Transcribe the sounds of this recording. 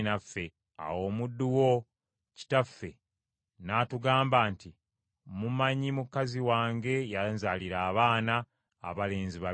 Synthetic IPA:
nafːe̞ | a̰wo̞ːmudːuwo̞ | ci̥tafːe̞ | naːtuɡaːmbaːnti | mumaɲimukaziwaːŋɡe̞janzaliɾaːβaːna̰ː | βale̞ːnziβa

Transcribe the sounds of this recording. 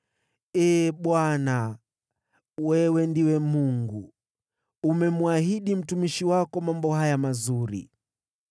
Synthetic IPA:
ɛːɓwana | wɛwɛndiwɛmuŋɡu | umɛmuahiɗim̩tumiʃiwakɔmambɔhajamazuɾḭ

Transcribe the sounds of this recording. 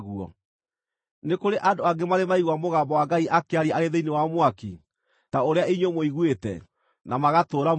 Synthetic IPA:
ɣuɔ̰ | nekoɾeʔadoaɡemaɾemaiɣwamoɣambɔwaɡaiʔakeaɾiaaɾeðeinewamwaki | taoɾeaiɲwɔmoiɣwetɛ̰ | namaɣatoɾa

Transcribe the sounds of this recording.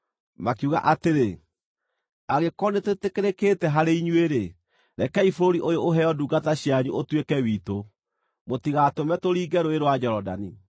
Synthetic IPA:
makuɣa̰ʔateɾe | aɣekɔnetetekeɾekeːtɛɦaɾeiɲweɾe | ɾɛkɛifoɾoɾiʔojoʔoɦɛɔduːɡataɕjaɲuotwekɛwiːto | motiɣatomɛtoɾiːɡɛɾoeɾowad͡ʑɛɾɔda̰ni

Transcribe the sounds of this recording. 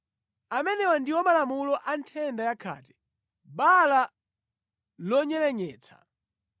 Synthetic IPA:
amɛnɛwandiwɔmalamulɔʔantʰɛndajakʰa̰ːtɛ̥ | ɓala | lɔɲɛlɛɲɛːt͡sʰḁ̰

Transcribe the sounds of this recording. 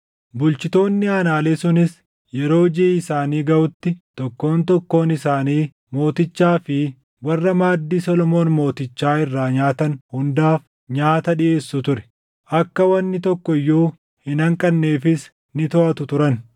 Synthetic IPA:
bʊlt͡ʃɪt̪o̞ːnːɪaːnaːleːsʊnɪs | jɛɾo̞ːd͡ʒeːɪsaːniːɡɐʔʊt̪ːɪt̪ɔkːo̞ːnt̪ɔkːo̞ːnɪsaːniː | mo̞ːt̪ɪt͡ʃːaːfɪ | wɐrːɐmaːd̪ːiːsɔlɔmo̞ːnmo̞ːt̪ɪt͡ʃːaːɪrːaːɲaːt̪ɐnhʊnd̪aːf | ɲaːt̪ɐɗɪʔe̞ːsːʊt̪ʊɾɛ̥ | ʔɐkːɐwɐnːɪt̪ɔkːɔɪjːoː | hɪnɐŋkʼɐnːe̞ːfɪs | nɪt̪ɔʔɐt̪ʊt̪ʊɾɐn

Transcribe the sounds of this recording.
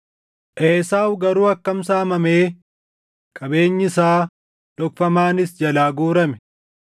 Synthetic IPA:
ʔeːsaːwɡɐɾuːɐkːɐmsaːmɐmeː | kʼɐbe̞ːɲːɪsaː | dɔkfɐmaːnɪsd͡ʒɐlaːɡuːɾɐmɛ̥

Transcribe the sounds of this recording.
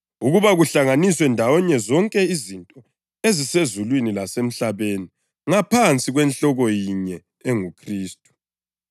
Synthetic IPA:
uɣuβaɣuɬaŋaniswɛndʱawɔɲɛzɔŋkʼɛizintʼɔ | ezisezulwinilasem̩ɬaβeni | ŋapʰant͡sʼiɣwɛnɬɔɣɔjiɲɛ | eŋukʰriːstʼu̥

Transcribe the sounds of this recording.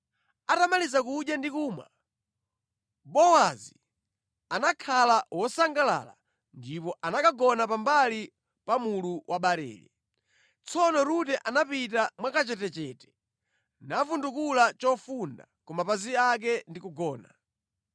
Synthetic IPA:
atamalizakuɗjandikuːma̰ | bɔwazi | anakʰalawɔsaŋɡala̰la | ndipɔʔanakaɡɔnapambali | pamuluwʔaɓaɾɛ̰ːlḭ | t͡sɔnɔɾutɛʔanapitamwakat͡ʃɛtɛt͡ʃɛtɛ̥ | nafundukulat͡ʃɔfunda̰ | kɔmapaziak̬ɛndikuɡɔːna

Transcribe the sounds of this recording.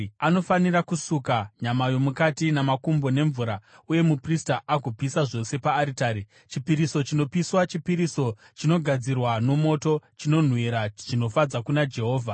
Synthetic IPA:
ano̞faniɾakusukaɲamajo̞mukatinamakumbo̞ne̞ɱvuɾauje̞mupristaʔakupisaʐo̞se̞paːɾitaːɾi | t͡ʃipiɾiso̞t͡ʃino̞piswat͡ʃipiɾiso̞ | t͡ʃino̞ɡʱad͡zirwano̞mo̞to̞t͡ʃino̞n̤wiɾaʐ̥ino̞fad͡zakunad͡ʒe̞ɦo̞ːvʱa

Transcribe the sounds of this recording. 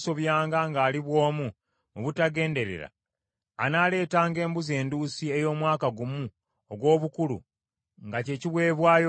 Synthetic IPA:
so̞βjaːŋɡaŋɡaːliβwo̞ːmu | muβutaɡe̞ːnde̞ɾḛɾa̰ | anaːle̞ːtaːŋɡe̞ːmbuze̞ːnduːsie̞jo̞ːmwaːkaɡumu | oɡwo̞ːβukulṵ | ŋɡace̞ːciβwe̞ːβwaːjo

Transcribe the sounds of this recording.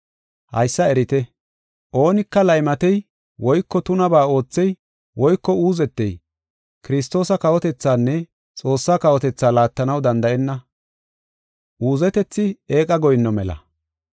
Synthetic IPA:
hɐ̰jsːɐɛɾɪt̪ɛ | ʔo̞ːnɪkːɐlɐjmɐt̪ɛj | wʔɔjkːɔt̪ʊnɐbaːo̞ːt͡sːɛj | wɔjkːɔuːzɛt̪ːɛ̰j | kɪɾɪs̬t̪o̞ːsɐkɐwɔt̪ɛt͡sːaːnːɛ | t͡sʼo̞ːsːaːkɐwɔt̪ɛt͡sːaːlaːt̪ːɐnɐwd̪ɐnd̪ɐʔɛnːɐ | ʔuːzɛt̪ɛt͡sːɪeːkʼɐɡɔjnːɔmɛlɐ̰

